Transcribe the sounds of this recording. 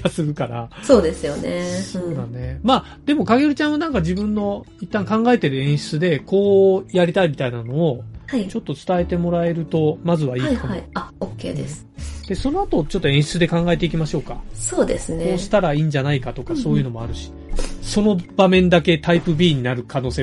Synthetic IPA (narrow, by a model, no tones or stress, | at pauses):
asɨɾɯ̟kaɾaso̞ːd̪e̞sɨjo̞neoːd̪a̰ne̞maː | d̪̥e̞mo̞kaɡeɾɯ̟t͡ɕãɰ̃βanãŋkaʑibɯ̟̃nːo̞ | it̪ːãŋkãŋɡae̞t̪e̞ɾɯ̟ẽ̞ɰ̃ɕi̥t͡sɨd̪e̞ko̞ːjaɾʲit̪aimʲit̪ainano̞ːhait͡ɕo̞t̪ːo̞t͡sɨ̥t̪ae̞t̪e̞mo̞ɾae̞ɾɯ̟t̪o̞mazɨβaiːkaaiaokːe̞̰ːd̪esɨ̥d̪̥e̞so̞no̞at̪o̞t͡ɕo̞t̪ːo̞ẽɰ̃ɕi̥t͡sɨd̪e̞kãŋɡae̞t̪e̞ikʲimaɕo̞ːka̰so̞ːd̪esɨneoːɕi̥t̪aɾaiːɲ̟d͡ʑanaikat̪o̞kaso̞ːjɯ̟ːno̞mo̞aɾɯ̟ɕi̥so̞no̞bamẽ̞nd̪ake̞t̪aipɯ̟bʲiːɲ̟inaɾɯ̟kano̞ːseː